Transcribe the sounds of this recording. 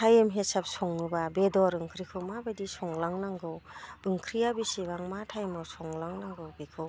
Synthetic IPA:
tʰajɯmɦesap̚sɔŋnɯbabedɔɾɯŋkʰɾikʰɯwmabadisɔŋlaŋnaŋɡɯwb̥ɯŋkʰɾijabisibaŋmatʰajmɔsɔŋlaŋnaŋɡɯwbikʰɯw

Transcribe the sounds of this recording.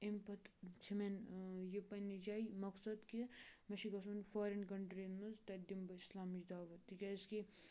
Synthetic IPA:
empɐt̪t͡ʃʰimenjipːɐnːid͡ʒaːimɐksɐd̪kimɐʃiɡɐsɐnfoːɾenkɐɳʈɾinmɐzt̪ɐd̪imbɐislaːmid͡ʒd̪aːʋɐt̪ːikʲɐski

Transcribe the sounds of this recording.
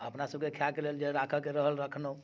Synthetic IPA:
əpnasəb̚kekʰjakeleld͡ʒeɾakʰəkeɾəɦəlɾəkʰno

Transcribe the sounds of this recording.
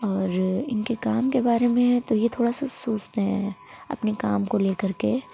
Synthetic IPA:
ɔːɾɪnkekaːmkebaːɾemẽt̪ojet̪ʰoːɽasasoːt͡ʃt̪eɦɛ̰̃ | ɐ̰pnekaːmkoleːkɐɾke

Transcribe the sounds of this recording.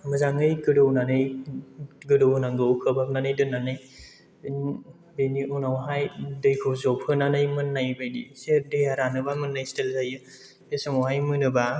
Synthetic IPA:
mɯzaŋɯjɡɯɾɯwnanɯj | ɡɯɾɯwnaŋɡɯwkʰɯbap̚nanɯjdɯnːanɯj | n | beniʔunawɦajdɯjkʰɯwzɔpʰhɯnanɯjmɯnːajbajdḭsedɯjaɾanɯbamɯnːajstelzajɯ | esamawɦajmɯnɯba

